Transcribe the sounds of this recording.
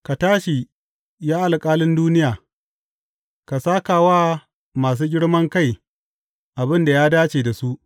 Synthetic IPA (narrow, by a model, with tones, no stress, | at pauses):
ka˨taː˦ʃi˨ | jaː˦ʔa˨lkʼaː˦lɪ˦nduː˦nɪ˦jaː˨ | ka˨saː˦kaː˨waː˦ | maː˨s̬uː˦ɡʲɪ˦ɽmɐ˦ŋka˦˨j | ʔa˨bɪ˦nda˨jaː˦daː˦t͡ʃeː˨da˨su˦ʔ